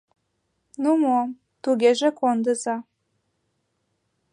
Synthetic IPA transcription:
numom | t̪uɣeʒekond̪ə̆zɑ

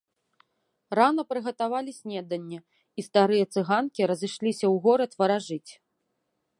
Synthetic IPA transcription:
ranɐpɾɨɣɐt̪avalʲisʲnʲɛd̪ɐnʲːɛ | ist̪aɾɨjɐt̪sɨɣankʲiɾɐzɨʂlʲisʲɐwɣɔɾɐt̪vɐɾaʐɨt͡sʲ

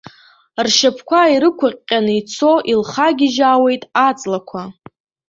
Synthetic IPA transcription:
rʃapʰkʷʰaiɾɨkʷʰʊqʲʼːanɨit͡sʰo̞ʔilχaɡʲɪʒaːwe̞jtʼat͡sʼlakʷʰa

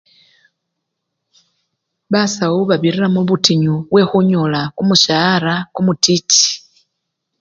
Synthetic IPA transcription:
βasauβaβiriramuβutiɲuβwe̞xuɲolakumuʃaɾakumutit͡ʃi̥

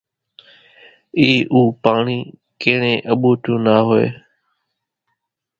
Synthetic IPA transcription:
iːʔuːpaːɳiː | keːɳẽːʔəɓoːt̪ũːnaːɦoḛː

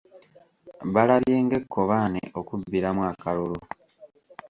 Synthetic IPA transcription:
βalaβje̞ːŋɡe̞kːo̞βaːnḛʔokubːiɾamwakalolo

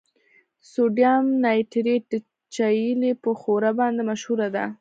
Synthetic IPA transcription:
soɖjamnɑjʈɾeʈ | t͡ʃajilepəxoɾabɑnd̪emaʃhuɾad̪a̰

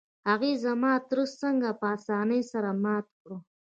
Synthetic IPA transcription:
haɣizamɑt̪ɾust͡səŋɡapəasɑnəjsaɾamɑt̪̚kɽu

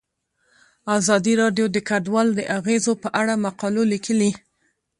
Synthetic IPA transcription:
azɑd̪iɾɑɖjod̪əkaɖwɑld̪əʔaɣezopəʔaɽamaqɑlolikʰəli

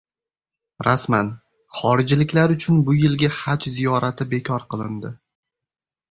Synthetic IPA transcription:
ɾasman | χɒɾɪd͡ʒlɪkʲlaɾʊt͡ʃʰʊnbʊjɪlɡʲahat͡ʃzijɒɾat̪ʰɪbe̞kʲʰɒɾqʰɨlˠɪnd̪ɪ

